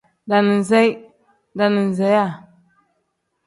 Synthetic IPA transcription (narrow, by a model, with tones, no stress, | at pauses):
da˨ni˨n˨zɛ˦j | da˨ni˨n˨zɛ˨˦ja˦˨